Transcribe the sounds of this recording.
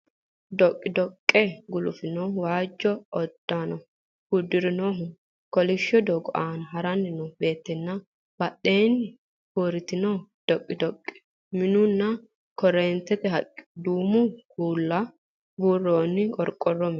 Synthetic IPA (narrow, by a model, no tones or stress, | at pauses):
d̪ɔkʼːɪd̪ɔkʼːɛɡʊlʊfɪnoːwaːd͡ʒːɔɔd̪̥ːanɔ | hud̪ːɪɾɪnoːɦʊ | kɔlɪʃːɔd̪ɔɡɔʔaːnɐɦɐɾɐnːɪnɔbe̞ːt̪ːɛnːɐ | b̥ɐɗːe̞ːnːɪ | hoɾɪt̪ːɪnɔd̪̥ɔkʼːɪd̪ɔkʼːɪ̥ | mɪnʊnːɐ | kɔɾeːnt̪ːɛt̪ɛɦɐkʼːɪ̥d̪uːmʊkuːlːɐ | buːrːoːnːɪkʼɔɾkʼɔrːɔm